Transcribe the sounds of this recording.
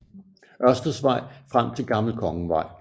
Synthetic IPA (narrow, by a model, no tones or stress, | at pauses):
ʔɶɐsd̥ɐsʋɑ̈ɪ̰fʁam̰t͡sʰe̝lɡ̥ɑ̈ml̩kʰɒ̽ŋəʋɑ̈ɪ̰